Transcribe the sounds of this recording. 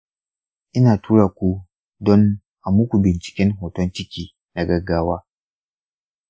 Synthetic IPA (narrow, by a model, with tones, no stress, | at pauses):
ʔɪ˦naː˨tuː˦ɽaː˨kʷu˦ | dɔ˦n | ʔa˨mʊ˦kʷu˨bɪ˨nt͡ʃɪ̥˨kʲɪ˦ŋɦoː˨tɔ˦nt͡ʃɪ˦kʲiː˦ | na˨ɡɐ˦ɡaː˦waː˦